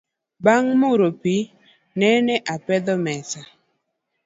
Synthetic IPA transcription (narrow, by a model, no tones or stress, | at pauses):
baŋmuɾopi | nɛnɛʔapɛd̪ɔmɛsa